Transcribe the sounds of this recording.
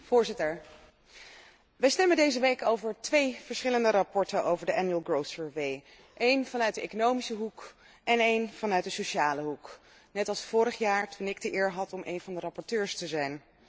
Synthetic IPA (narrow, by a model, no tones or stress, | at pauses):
v̥ʊːɹzɪtəɹ | ʋɛjstɛməndejzəʋejkowvəɹtʋejv̥əɹsχɪləndərɑpɔɹtəowvəɹdəʔɛnjyəlˠɡrowsəɹʋej | ʔejnvɑnœɥt̚dəʔḛkonowmisəɦuk | ɛnejnv̥ɑnœɥt̚dəsoʃaːləɦuk | nɛtɑlˠsfʊːɾəχjaːɹtʰunɪɡ̚dəʔɪːɹɦɑtɔmʔḛjnvɑndərɑpɔɹtøːɹstəzɛjn